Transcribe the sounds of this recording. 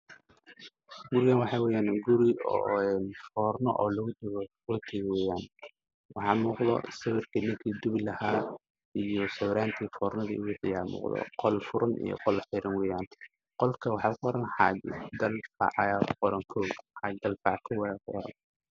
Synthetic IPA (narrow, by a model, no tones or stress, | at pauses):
ɡʊɾɪɣanwɑħɑːwɛːjaːnɡʊɾɪɔ̰ɛnfɔːrnɔ̰ʔɔːlɐɣʊd̪kɔːt̪ʰɛɣwɛːjaːn | wɑħɑːmuːqðɔ̰sɐwɪrkʰinɪŋkʰiːd̪ʊβlɐhaː | ijɔsɐwɾaːnt̪ʰiːfɔːrnɐðḭːʊwʊħɪjaːmṵːqðɔ̰qɔlfʊɾɐnʔḭjɔ̰qɔlħɪɾɪnwɛːjaːn | qɔlkʰɐwɑħɑːkʰʊɔɾɐnħɑ̰d͡ʒd̪ɐlfɑ̰ʕjaqɔɾɐŋkʰɔːɡħɑd̪ɐlfɑʕkʰɐwɛjaːkʰʊwɔ̰ɾɐ̰n